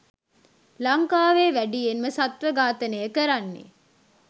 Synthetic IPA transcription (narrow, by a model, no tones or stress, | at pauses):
laŋkaːʋeːʋæɖijenməsat̪ʋəɡaːt̪ənəjəkəɾanːḛ